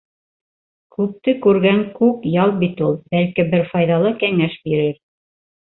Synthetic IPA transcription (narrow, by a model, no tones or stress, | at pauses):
kʉp̚t̪ɘkʉɾɡæŋkʉkjɑlˠbit̪ulˠbælkibɘɾfɑjðɑlˠɤkæŋæʃbiɾɘɾ